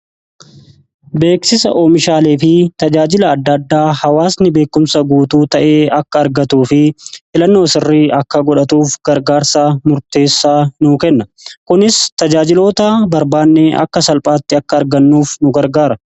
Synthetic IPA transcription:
be̞ːksɪsɐ̰ʔoːmɪʃaːle̞ːfɪt̪ɐd͡ʒaːd͡ʒɪlɐːd̪ːɐd̪ːaːhɐwaːsnɪbe̞ːkːʊmsɐɡuːt̪uːt̪ɐʔe̞ːɐkːɐːɾɡɐt̪uːfɪʔɪlɐnːo̞ːsɪrːiːɐkːɐɡɔᶑɐt̪uːfɡ̥ɐɾɡaːɾsaːmʊɾt̪e̞ːsːaːnuːkɛnːɐ | kʊnɪst̪ɐd͡ʒaːd͡ʒɪlo̞ːt̪ɐbɐɾbaːnːeːʔɐ̰kːɐsɐlpʼaːt̪ːɪɐkːɐːɾɡɐnːuːfnʊɡɐɾɡaːɾɐ

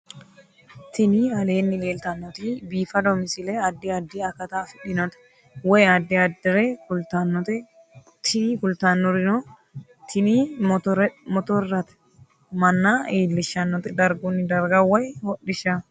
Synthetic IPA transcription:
t̪ɪniɐle̞ːnːɪle̞ːlt̪ɐnːɔt̪ibiːfɐd̪ɔmɪsɪleɐd̪ːɪɐd̪ːɪɐkːɐt̪aːfɪᶑɪnɔt̪ɛ̥ | wɔjɐd̪ːɪɐd̪ɪɾekʊlt̪ɐnːɔt̪ɛ | t̪ʰɪnikʊlt̪anːɔɾɪnɔ | t̪ɪni | mɔt̪ɔɾɾɐt̪ɛ̥ | mɐnːaːeːlːɪʃːɐnːɔt̪ɛd̪ɐɾɡʊnːɪd̪ɐɾɡɐwɔjhɔɗɪʃɐ

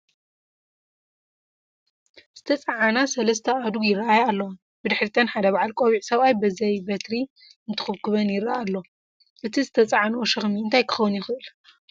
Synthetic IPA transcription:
z̥ɨt̪ʰɐt͡sʼɐʕanasɐlɐs̬t̪ʰɐad̪uɡjɪɾːɐajaalːɐw | bɨd̪ɨħɾit̪ʰɐnħad̪ɐbaʕalkʼoβiʕsɐβajbɨzɐjbɐt̪ɾi | ɨnt̪ʰɨ̥xɨβkɨβɐnjɪɾːaʔalːo̞ | ʔɨt̪ʰizɨt̪ʰɐt͡sʼɐʕanoʃɨxmiɨnt̪ʰajkʰɨ̥xɐwːʊnjɪxɨʔɨl

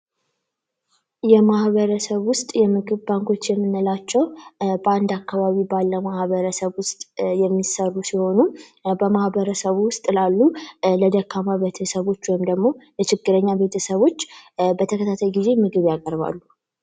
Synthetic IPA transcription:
jɛmahβəɾəsəβwʊst̪ʼjɛmɨɡɨβbaŋkʰo̞t͡ʃːjɛmːɨnːɨlat͡ʃːɛwbəand̪akːaβaβibalːəmahβəɾəsəβwʊst̪ʼjɛmːisərːusiho̞nubəmahbəɾəsəβwʊst̪ʼlalːuləd̪əkːamaβet̪ʰəsəβo̞t͡ʃːwɔjmd̪əɡmo̞jɛt͡ʃɪɡːɨɾəɲːabe̞t̪ʰəsəβo̞t͡ʃːbət̪ʰəkʰət̪ʰat̪ʰajɡize̞mɨɡɨβjakʼəɾβa̰lːu

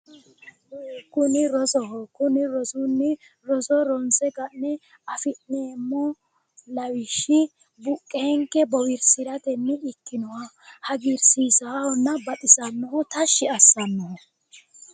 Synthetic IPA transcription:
kʊnɪɾɔzɔhɔkʊnɪɾɔsʊnːɪ | ɾɔzɔɾɔnsɛɡɐnːɛ | ɐfɪʔneːmːɔ | lɐwɪʃːɪ | bʊkʼːeːŋkːɛbɔwɪɾsɪɾɐt̪ɛnːɪɪkːɪnɔwɐ | hɐɡɪɾsiːsɐhɔnːɐbɐt̪ʼɪsɐnːɔhɔt̪ɐʃːɪɐsːɐnːɔhɔ

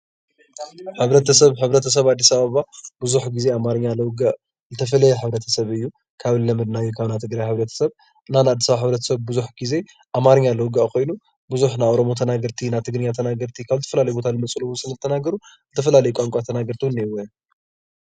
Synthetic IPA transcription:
ħɨβɾɐt̪ʰɐsɐβħɨβɾɐt̪ʰɐs̬ɐβad̪ːisaβaβab̥ɨzuħɡize̞amaɾɐɲːalɐwɡaʔ | zɨt̪ʰɐfɐlɐjɛħɨβɾɐt̪ʰɐ̥sɐβɨjːu | kʰaβlɐmɨd̪najːukʰaβnat̪ʰɨɡɾajħɨβɾɐt̪ʰɐ̥sɐβ | ɨnanad̪ːisaβaħɨβɾɐt̪ʰɐ̥sɐβbɨzuħɡize̞ | ʔamaɾɨɲːalɐwɡaʔkʰo̞jnu | bɨzuħnaʔoɾo̞mo̞t̪ʰɐnaɡɐɾt̪ʰinat̪ʰɨɡɾɨɲːat̪ʰɐnaɡɐɾt̪ʰikʰaβzɨt̪ʰɐfɐlalɐjbo̞t̪ʰalɨmɐt͡sʼuluwːunsɨlɐzɨt̪ʰɐnaɡɐɾuzɨt̪ʰɐfɐlalɐjɛkʼamkʷʼat̪ʰɐnaɡɐɾt̪ʰiwunewɐ

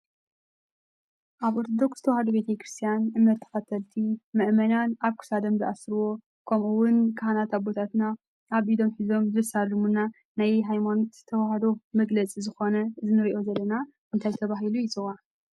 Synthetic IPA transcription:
ʔaβʔo̞ɾt̪ʰo̞d̪o̞ksɨ̥t̪ʰɐwahɐd̪obe̞t̪ʰɐkɾɨst̪ʰijanʔɨmnɐt̪ʰːɐ̥fɐt̪ʰɐlt̪ʰimɨʔmɐnanaβkʰu̥sad̪ɐmzɨʔasɾɨwo̞ | kʰɐmʔuwʊnkʰɨhanat̪abo̞t̪ʰat̪na | ʔaβʔid̪o̞mħizo̞mzɨsalɨmuna | najɦajmanot̪zt̪ʰɐwahɐd̪o̞mɐɡlɐt͡sʼizɨxo̞nɐzɨnɨɾiʔo̞zɐlːɐna | ɨnt̪ʰajzɨt̪ʰɐβaɦilujɪt͡sʼɨɣa

